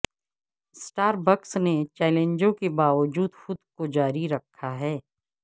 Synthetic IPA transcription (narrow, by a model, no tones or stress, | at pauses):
sʈaːɾbəksnet͡ʃɛːlẽnd͡ʒõkebaːʋəd͡ʒuːd̪xʊd̪kod͡ʒaːɾiɾɐkʰːaɦɛː